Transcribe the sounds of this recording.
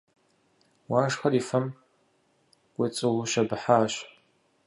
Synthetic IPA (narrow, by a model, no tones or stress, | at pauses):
waːʂxɐriːfɐm | kʷʼɪt͡sʼɨwʊʃɐbɨħaːɕ